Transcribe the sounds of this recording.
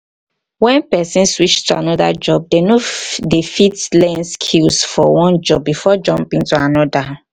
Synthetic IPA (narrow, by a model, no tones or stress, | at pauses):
wɛ̃npɛsĩnswit͡ʃtuanɔda̰d͡ʒɔb̚denodefitlɛ̃nskʰilsfɔwɔ̃nd͡ʒɔb̚bifɔd͡ʒɔ̃mpĩŋtuanɔda